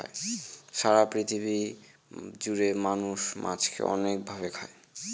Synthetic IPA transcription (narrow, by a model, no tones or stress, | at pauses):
a̰ʃaɾapɾit̪ʰibi | d͡ʑuɾemanuʃmʔã̰t͡ɕkḛɔ̰nek̚bʱaβekʰae